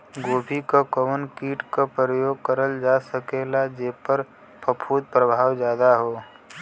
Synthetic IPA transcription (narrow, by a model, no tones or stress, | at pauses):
ɡoːbʱikakəʋənkiːʈkapɾəjoːɡ̚kəɾəld͡ʒasəkeːlad͡ʒeːpəɾ | pəpʰuːd̪̚pɾəbʱaːwd͡ʒjaːd̪aɦoː